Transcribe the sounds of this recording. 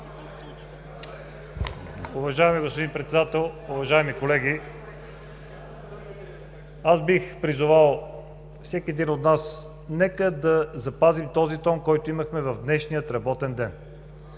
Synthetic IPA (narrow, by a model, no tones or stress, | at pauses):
ʊvɐʒaɛmiɡospod̪inpɾɛt̪sɛd̪at̪ɛlˠʊvɐʒaɛmikolɛɡi | azbixpɾizʊvalˠ | fsɛkiɛd̪inot̪nas | nɛkəd̪ɐzɐpazimt̪ɔzit̪ɔnkɔjt̪oiməxmɛvɐvd̪nɛʃnijət̪ɾɐbɔt̪ɛnd̪ɛn